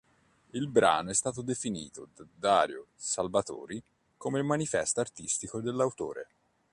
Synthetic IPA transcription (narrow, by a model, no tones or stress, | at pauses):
ilbɾa̰ːnoɛst̪aːt̪̬od̪efinḭːt̪od̪ad̪aːɾjosalvat̪o̰ːɾi | komelmanifɛst̪aart̪ist̪ikod̪elːawt̪o̰ːɾe